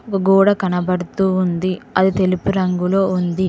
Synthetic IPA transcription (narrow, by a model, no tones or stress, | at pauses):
ɔkɐɡuːɽɐkɐnɐbɐɽut̪uːund̪iɐd̪it̪e̞lupuɾɐŋɡulo̞ːund̪i